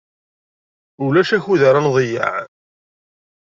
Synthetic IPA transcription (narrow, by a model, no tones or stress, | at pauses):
ulæʃæçuðaɾˤɑnðˤja̰ʕ